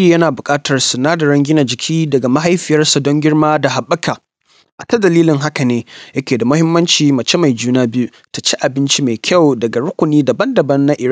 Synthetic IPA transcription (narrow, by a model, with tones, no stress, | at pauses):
i˨jɐ˦naː˨bʊ˨kʼaː˦tɐ˨rsʊ˨naː˦da˨ɽɐ˦ŋɡʲɪ˦na˨d͡ʒɪ˨kʲʰiː˦dɐ˨ɡa˨ma˦ɦa˦jɸɪ˨jɐ˦rsɐ˨dɔ˦ŋɡʲɪ˦ɽmaː˦da˨ɦa˨ɓːɐ˦kʰaː˨ | ʔa˨tɐ˦dɐ˨liː˦lɪ˨ŋɦa˦ka˨neː˦jɐ˦kʲeː˨da˨mʊ˦hɪ˦mːɐ˦nt͡ʃiː˨mɐ˨t͡ʃe˦ma˨jd͡ʒuː˦naː˦bɪ˦u˦ | ta˨t͡ʃe˦ʔa˨bɪ˦nt͡ʃi˦ma˨jkʲɐ˦˨wdɐ˨ɡa˨ɽʊ˦kʷʊ˨niː˦da˨bɐ˦ndɐ˨bɐ˦nːa˦ʔɪ˨ɾa˦˨